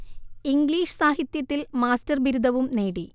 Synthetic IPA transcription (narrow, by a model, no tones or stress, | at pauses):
iŋɡliːʂɨ̥saːɦit̪jɐt̪ːilmaːstɐrbiɾud̪ʱɐʋumneːɽi